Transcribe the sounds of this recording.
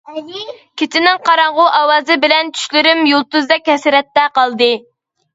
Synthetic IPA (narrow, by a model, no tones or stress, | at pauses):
kʲʰet̪ʰɪnɪŋqʰɑɾɑɴʁʊʔɑwɑːzɨbɪlɛnt͡ʃ̪ʰy̥ʃlɪɾɪmjolˠt̪uzd̪ɛkʲhɛsɪɾɛt̪ːɛqɑlˠd̪ɨ